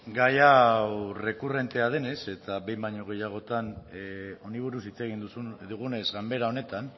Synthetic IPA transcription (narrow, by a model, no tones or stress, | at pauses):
ɡajawre̞kure̞nt̪e̞að̞e̞ne̞se̞t̪abe̞jmbaɲoɣ̞e̞jaɣ̞o̞t̪an | o̞niβ̞uɾusit͡se̞ɣ̞ind̪ud̪uɣ̞une̞zɣambe̞ɾao̞ne̞t̪an